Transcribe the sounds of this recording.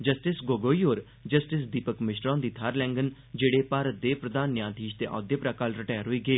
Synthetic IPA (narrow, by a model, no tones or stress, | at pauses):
d͡ʒəsʈɪsɡoːɡoːiːɦoːɾ | d͡ʒəsʈɪsd̪iːpəkmɪʃɾɔ̃ːnd̪iːt̪ʰaːɾlɛ̃ːŋɡən | d͡ʒeːɽeːpaːɾət̪̚d̪eːpɾəd̪aːnjãːt̪iːʃt̪eːʔɔ̰ːd̪jəpɾaːkaːlɾɪʈɛːɾɦʊiːɡeeː